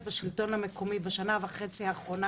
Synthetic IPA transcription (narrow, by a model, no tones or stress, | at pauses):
baʃilto̞nhamekʰo̞mibaʃanavaχe̞t͡siaːχʁo̞na